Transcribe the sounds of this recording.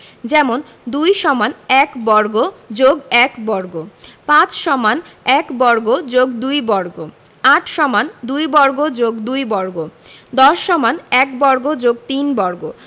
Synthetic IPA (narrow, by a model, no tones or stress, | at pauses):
d͡ʑɛmon | d̪ujʃɔmanɛkbɔɾɡod͡ʑoɡɛkbɔɾɡopãt͡ɕʃɔmanɛkbɔɾɡod͡ʑoɡd̪ujbɔɾɡo | aʈʰʃɔmand̪ujbɔɾɡod͡ʑoɡd̪ujbɔɾɡo | d̪ɔʃːɔmanɛkbɔɾɡod͡ʑoɡ̚t̪inbɔɾɡo